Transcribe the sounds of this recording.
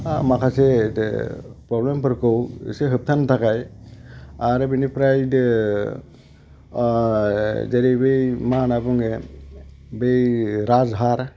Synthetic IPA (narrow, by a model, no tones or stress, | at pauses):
amakʰase | pɾɔblempɯɾkɔw̰seɦɯp̚t̪ʰant̪ʰakaj | aɾebinipɾajd | d͡ʒeɾibɯjmanabɔŋe | bejɾazɦaɾ